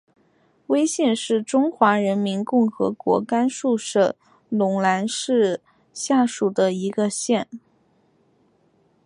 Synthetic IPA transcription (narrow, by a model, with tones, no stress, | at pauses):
we˥ɪɕjɛ˥˧nʂɻ̩˥˩ʈ͡ʂʊ˥ŋxwa˧˥ɻə˧˥nmi˧˥nkʊ˥˩ŋxɤ̰˧˥kwɔ̰˧˥ka˥nʂu˥˧ʂɤ˨˩ | lʊ˧˥ŋla˧˥nʂɻ̩˥˧ | ɕja˥˩ʂu˨˩d̪ə˦i˧˥ɡə˧ɕjɛ˥˩n